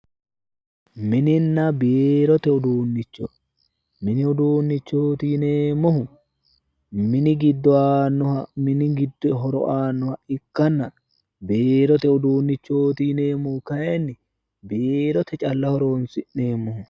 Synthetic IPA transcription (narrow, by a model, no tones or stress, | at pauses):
mɪnɪnːɐbeːɾɔt̪ɛʊd̪uːnːɪt͡ʃːɔ̰ | mɪnɪʊd̪uːnːɪt͡ʃːoːt̪iːneːmːɔhʊ | mɪnɪɡɪd̪ːɔaːnːɔhɐmɪnɪɡɪd̪ːɔɦɔɾɔ̰ʔaːnːɔhɐɪkːɐnːɐ | beːɾɔt̪ɛʊd̪uːnːɪt͡ʃːo̞ːt̪iːne̞ːmːɔhʊkɐjɛnːɪ | beːɾɔt̪ɛt͡ʃʼɐlːɐhɔɾo̞ːnsɪnːeːmːɔhʊ